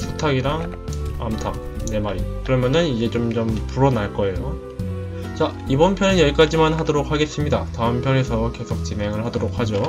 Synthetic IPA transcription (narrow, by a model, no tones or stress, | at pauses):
sʰu̥tʰaɡiɾaŋ | a̰mtʰa | ne̞maɾikɯɾʌmjʌnɯnid͡ʑe̞t͡ɕomt͡ɕompuɾʌnaɭk͈ʌe̞jo | t͡ɕa | ibʌnpʰjʌnɯnjʌɭk͈ad͡ʑimanɦadoɾok̚haɡe̞s͈ɯmɲidataɯmpʰjʌne̞sʰʌke̞sʰok̚t͡ɕine̞ŋɯɭhadoɾok̚had͡ʑo